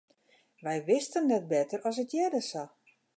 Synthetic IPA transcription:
ʋɛjʋɪstənːɛt̚bɛtərɔsətjɛdəsa

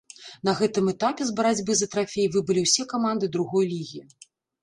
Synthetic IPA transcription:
n̪ɐɣɛt̪ɨmɛt̪apʲɛzbɐɾad͡zʲbɨzɐt̪ɾafʲejvɨbɨlʲiwsʲɛkamand̪ɨd̪ɾuɣɔjlʲiɣʲi

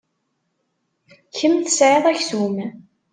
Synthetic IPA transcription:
çəmθə̥sʕeðˤæçsum

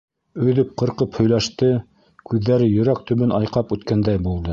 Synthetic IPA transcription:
ɵ̆ðɵp̚qɤ̆ɾqɤphɵ̆jlæʃt̪ɘ | kʉðːæɾɘjɵ̆ɾæk̚t̪ɵ̆βɘnʔɑjqɑpʉt̪kænd̪æjbulˠd̪ɤ

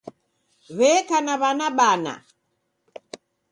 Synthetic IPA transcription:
βɛkanaβanaɓana̰

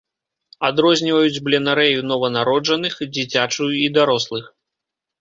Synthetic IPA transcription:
ad̪ɾɔzʲnʲivɐjud͡zʲblʲɛnaɾɛjunɔvɐnaɾɔd͡ʐɐnɨxd͡zʲit͡sʲat͡ʂujuid̪aɾɔslˠɨx

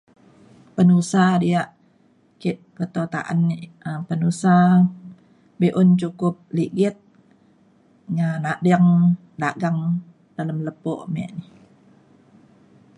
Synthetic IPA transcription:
pənusadiaʔ | kɪʔkət̪ot̪a̰ʔa̰nəpənusa | biʔʊnt͡ʃukʊp̚liɡɪt̪̚ | ŋanaʔdiəŋ | daɡaŋ | d̥aləmləpoʔmɛ̰ʔnih

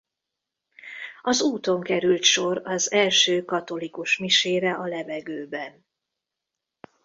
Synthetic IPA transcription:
ɒzuːt̪o̞ŋkɛɾylt̪ʃo̞ɾɒzɛlʃøːkɒt̪o̞likuʃmiʃeːɾɛʔɒlɛvɛɡøːbɛn

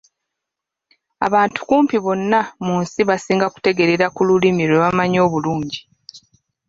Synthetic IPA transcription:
a̰βaːntu̥kuːmpiβo̞nːamuːnsiβasiːŋɡaku̥te̞ɡe̞ɾe̞ɾakululimiɾweβamaɲo̞ːβuluːɲɟi

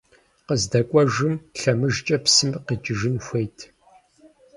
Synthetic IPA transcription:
qəzdɐkʷʼɔʒɨmɬɐmɨʒt͡ʃʼɐpsɨmqit͡ʃʼɪʒɪnxʷejtʰ

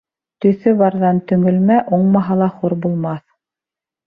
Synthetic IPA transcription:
t̪ɵ̆θɵβɑɾðɑnt̪ɵ̆ŋɵ̆lmæʔuɴmɑɦɑlˠɑχuɾbulˠmɑθ

